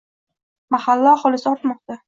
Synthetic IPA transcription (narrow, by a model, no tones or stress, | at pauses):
mahalːɒχɒlɪsɪɒɾt̪mɒq̚t̪a